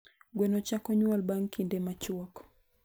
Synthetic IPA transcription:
ɡwɛnɔt͡ʃakɔɲualɓaŋkindɛmat͡ʃuakɔ̥

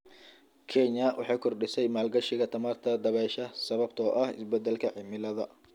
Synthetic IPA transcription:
kʰɛɲɐwʔɑ̰ħɑːkʰɔrɖɪsɛjmaːlɡɐʃɪɣɐt̪ʰɐmaːrt̪ʰɐd̪ɐβɛːʃɐsɐβɐb̚t̪ʰɔːʔɐhɪ̰sbɛd̪ːɛlkʰɐʕɪmɪlɐðɐ

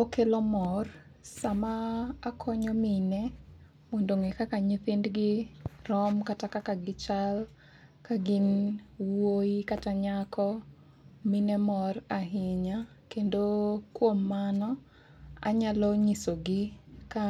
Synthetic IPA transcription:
okelɔmɔr | samaːkʰɔɲɔminɛ | mondoŋɛkakaɲipɪndɡɪrɔmkatakakaɡɪt͡ʃal | kaɡɪnwoikataɲakʰɔ | minɛmɔraɦɪɲa | kendokwomːanɔ | a̰ɲalɔɲisoɡɪka

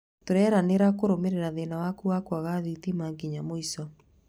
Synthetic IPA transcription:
toɾɛːɾaneɾakoɾomeɾeɾaðenawakuakwaɣaðitimaŋɡiɲamoisɔ

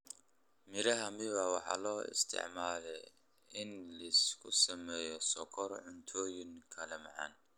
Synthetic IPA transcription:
mɪɾɐɦɐmɪβɐwɑħɑ̰ːlɔːɪ̰st̪ʰɪ̰ʕmaːlɛj | ɪnlɐskʰʊsɐmɛːjɔsɔkʰɔrʕʊnt̪ʰɔːjɪŋkʰɐlɛmɑʕɑ̰ːn

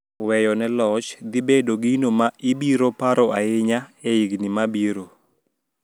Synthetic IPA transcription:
wɛjɔnɛlɔt͡ʃd̪ibedoɡinomaibiɾopaɾɔʔaɪɲaɛiɡnimabiɾo

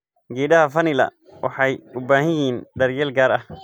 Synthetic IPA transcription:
ɡɛːɖɐhɐfɐnɪlɐ̰ | wʔɑ̰ħɑjʊbaːɦɪjiːnɖɐrjɛːlɡaːɾɐh

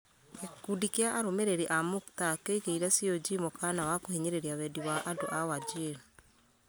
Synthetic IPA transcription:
kekudikeaʔaɾomeɾeɾiʔamoktakeiɣeiɾɛsiod͡ʒimokanawakohiɲeɾeɾiawɛdiwaʔadoʔawad͡ʒeɾo

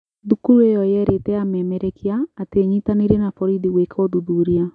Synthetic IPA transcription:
ðukuɾejɔjɛɾetɛamɛːmɛɾɛkʰiaːteɲitaneɾenafɔɾidiwekʰɔðuðuɾia

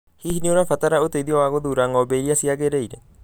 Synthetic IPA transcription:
hihinioɾafataɾaoteiðiɔwaɣoðuɾaŋɔbeiɾiasiaɣeɾeiɾe

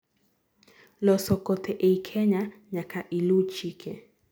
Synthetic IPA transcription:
lɔsɔkɔtʰɛʔɛikʰɛɲaɲakaʔilut͡ʃikʰɛ̰

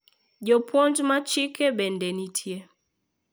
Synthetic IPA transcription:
ɟɔpwɔnd͡ʒmat͡ʃikɛɓɛndɛnitʰje

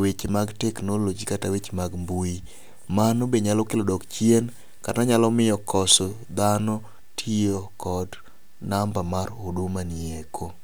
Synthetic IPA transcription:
wet͡ʃemaɡteknolod͡ʒikatawet͡ʃemaɡmbui | manobeɲalɔkelodɔkt͡ʃjen | kanaɲalɔmɪjɔkɔsɔ | d̪anɔ | tʰiokʰɔd | nambamaɾodumanɪekʰo

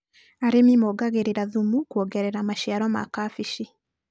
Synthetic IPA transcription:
aɾemimɔɡaɣeɾeɾaðumukuɔɡɛɾɛɾamaʃiaɾɔma̰kafiʃi

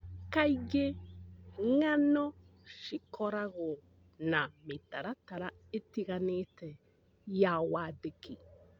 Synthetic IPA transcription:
kaiɣe | ŋanɔ | ʃikʰɔɾaɣɔ | nametaɾataɾa | etiɣanetɛ | jawadeki

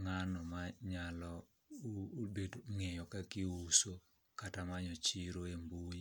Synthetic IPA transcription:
ŋanɔmaɲalɔ | bedoŋejɔkakiuso | katamaɲɔt͡ʃiɾoembuji

